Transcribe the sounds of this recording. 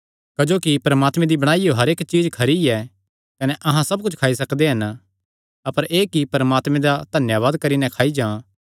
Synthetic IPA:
kɐd͡ʒoːkipɐɾɐmaːt̪mɛ̃d̪ibɐɽ̃aːijoɦɐɾeːkt͡ʃiːd͡ʒkʰɐɾiɛ | kɐnɛʔɐɦãsɐb̚kʊt͡ʃʰkʰaːis̬ɐkd̪eɦɐn | ɐpəɾʔeːkipɐɾɐmaːt̪mɛ̃d̪ad̪ʱɐnjaʋaːd̪kɐɾinɛ̃kʰaːid͡ʒãː

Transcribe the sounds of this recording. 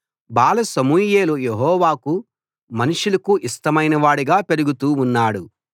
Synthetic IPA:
baːlɐsɐmuːje̞ːlujeɦɔːʋaːku | mɐnuʂulɐkuʔisʈɐmɐjnɐʋaːɽiɡaːpe̞ɾuɡut̪uːnːaːɽu

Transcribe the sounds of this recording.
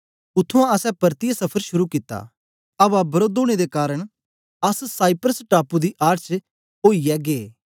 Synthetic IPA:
ʊt̪ʰːũãɐsɛpɐɾt̪ijasɐpʰəɾʃʊɾukɪt̪ːa̰ | ɐbabɐɾoːd̪õːɽ̃ed̪ekaːɾəɽ̃ | ɐssaːɪpɾəsʈaːpud̪iʔaːɾt͡ʃ | oːijɛɡeː

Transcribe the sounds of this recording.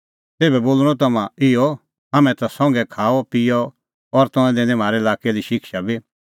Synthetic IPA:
t̪eːbɛboːlɽ̃ɔ̃t̪̬ɐmãɪɔ | ɦɐmɛ̃t̪asɔ̃ŋɡɛkʰaːɔpiɔ | ɔɾt̪ɔ̃ɛ̃d̪ẽːnɛ̃m̤aːɾɛɪlaːkeliʃɪkʃabi

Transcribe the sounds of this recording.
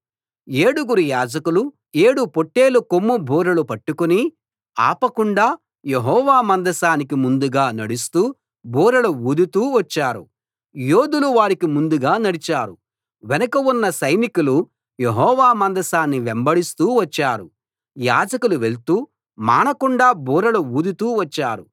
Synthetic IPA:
e̞ːɽuɡuɾujaːd͡ʒɐkulu | e̞ːɽupo̞ʈːeːlukomːubʱuːɾɐlupɐʈːukuni | a̰ːpɐkuɳɖaː | jeɦɔːʋaːmɐnd̪ɐsaːnikimund̪uɡaːnɐɽust̪uː | bʱuːɾɐluud̪ut̪uːʋɐt͡ʃːaːɾu | joːd̪uluʋaːɾikimund̪uɡaːnɐɽit͡ʃaːɾu | ʋenɐkɐunːɐsɐjnikulu | jeɦɔːʋaːmɐnd̪ɐsaːnːiʋembɐɽist̪uːʋɐt͡ʃːaːɾu | ja̰ːd͡ʒɐkuluʋe̞ɭt̪uː | ma̰ːnɐkuɳɖaːbʱuːɾɐluuːd̪ut̪uːʋɐt͡ʃːaːɾu

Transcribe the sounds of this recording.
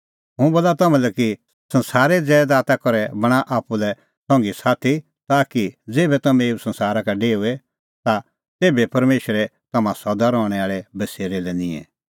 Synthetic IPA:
ɦʊ̃boːlat̪ɐmɛ̃lɛki | sɐ̃nsaːɾɛd͡zɛːd̪aːt̪akɔɾɛbɐɽ̃aʔaːpːulɛ | sɔ̃ŋɡisaːt̪ʰi | t̪aːkid͡zeːbɛt̪ɐmɛ̃eːusɐ̃nsaːɾakaɖeːuɛ | t̪a | t̪eːbepɐɾmeːʃɾɛt̪ɐmãsɔd̪aɾɔːɽ̃ɛaːɭɛbɐseːɾelɛnɪ̃ɛ̰̃

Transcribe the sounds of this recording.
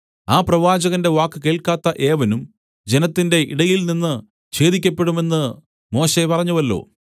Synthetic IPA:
aːprɐʋaːd͡ʑɐɣɐnde̞ʋaːkːɨke̞ːɭkaːt̪ːɐʔe̞ːʋɐnum | d͡ʑe̞nɐt̪ːinde̞ʔḭɽɐjilninːɨ | ɕe̞ːðikʲːɐpːe̞ɽume̞nːɨ | mo̞ːɕe̞pɐrɐɲːuʋɐlːo̞̰ː

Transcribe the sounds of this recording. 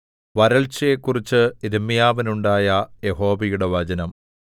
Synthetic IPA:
ʋɐɾɐɭt͡ɕɐjekːurit͡ɕːɨiðɐmːijaːʋɐnuɳɖaːjɐje̞ɦo̞ːʋɐjuɽe̞ʋɐd͡ʑɐnɐm

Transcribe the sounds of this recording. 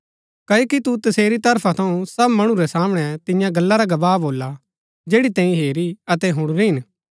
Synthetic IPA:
kɐoːkit̪ut̪ɐseːɾit̪ɐɾpʰat̪ʰɐũsɐbmɐɽ̃uɾɛsaːmɽ̃ɛt̪ɪ̃jãɡɐlːaɾaɡɐbaːboːlːa | d͡ʒeːɽit̪ɛ̃ːĩɦeːɾiɐt̪̬ɛɦʊ̃ɽ̃ɾiɦɪn

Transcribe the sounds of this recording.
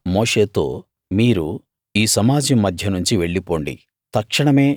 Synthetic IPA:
mo̞ːʂe̞ːt̪o̞̰ː | miːɾu | iːsɐmaːd͡ʒɐmːɐd̪ʱjɐnuɲt͡ʃiʋe̞ɭːipo̞ːɳɖḭ | t̪ɐkʂɐɳɐme̞ː

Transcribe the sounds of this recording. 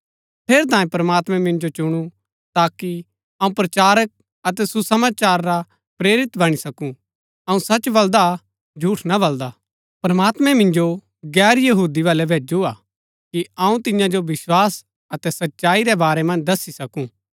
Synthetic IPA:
pʰeːɾt̪ãːẽpɾɐmaːt̪mɛ̃mɪ̃nd͡ʒot͡ʃʊɽ̃ũ | t̪aːki | ɐũpɾɐt͡ʃaːɾək̚ | ɐt̪ɛsusɐmaːt͡ʃaːɾːa | pɾeːɾɪt̪bɐɽ̃isɐkũ | ɐũsɐt͡ʃːbɐld̪a | d͡ʒʱuːʈʰnabɐld̪a | pɾɐmaːt̪mɛ̃mɪ̃nd͡ʒo | ɡɛːɾjɐɦuːd̪iʋaːlɛbʱeːd͡ʒuaː | kiɐũt̪ɪ̃jãd͡ʒoʋɪswaːs | ɐt̪ɛsɐtːʃaːiɾɛbaːɾɛmɐ̃nd͡ʒd̪ɐsːisɐkũ

